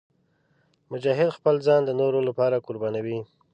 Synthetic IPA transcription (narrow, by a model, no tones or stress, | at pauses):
mʊd͡ʒɑɦɪd̪xpəlzɑnd̪ənoɾolapɑɾakʊɾbɑnawi